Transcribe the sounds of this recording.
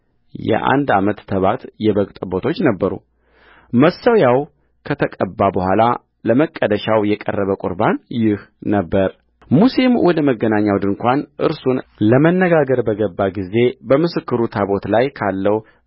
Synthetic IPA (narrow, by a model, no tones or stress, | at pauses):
jɛ̰ʔa̰nd̪amət̪t̪ʰːəβat̪jɛβəkʼt̪ʼbo̞t̪ʰo̞t͡ʃːnəbːəɾṵ | məsəwjaw | kʰət̪ʰəkʼəbːabəhʷala̰ | ləməkʼːəd̪əʃawjɛkʼə̰rːəβəkʼṵɾbanjɪhnəbːəɾ | musimwʔɔd̪əməɡːənaɲːawd̪ɨŋkʷanʔɨ̰ɾsunləmənːəɡaɡəɾbəɡəbːaɡize̞bəmɨsɨkːɨɾut̪ʰaβo̞t̪lajkʰalːəw